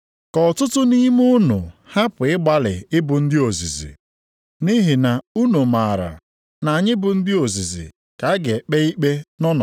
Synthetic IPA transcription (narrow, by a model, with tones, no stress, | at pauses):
kɔ˨tʊ˦tʊ˦ni˦m˦u˦nʊ̰˨ha˦pʊ˨ɪ˦ɡ͡ba˨lɪ̰˨ɪ˦bʊ˨n̩˦dɪ˦o˨zi˨zḭ˨ | ni˦ɦɪ˨na˨u˦nu˨ma˨ɾa̰˨ | na˨ɲɪ˦bʊ˨n̩˦dɪ˦o˨zi˨zḭ˨ | ka˨˦ɡe˨k͡pe˦i˦k͡pe˦nɔ˦nɔ̰˨